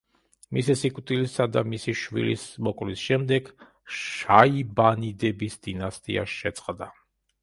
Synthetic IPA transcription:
misisikʼwt̪ʼilisad̪amisiʃvḭlḭsmɔkʼlisʃɛmd̪ɛɡ̥ | ʃaibanid̪ɛbisd̪̥inast̪ʼḭa̰ʃɛt̪sʼqʼd̪a

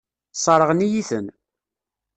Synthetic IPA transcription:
sˤɑɾˤəʁnijiθən

